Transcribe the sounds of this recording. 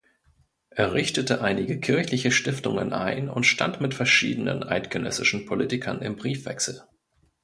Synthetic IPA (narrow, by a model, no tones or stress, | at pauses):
ʔeːɐʁɪçtətəʔaɪnɪɡəkʰɪɐçlɪçəʃtɪftʊŋə̰nʔa̰ɪnʊ̰ntʃta̰ntmɪtfɛɐʃḭːdənə̰nʔa̰ɪtɡ̥ənœ̰sɪʃn̩pʰoliːtɪkʰɐ̰nɪ̰mbʁiːfv̥ɛ̰ksl̩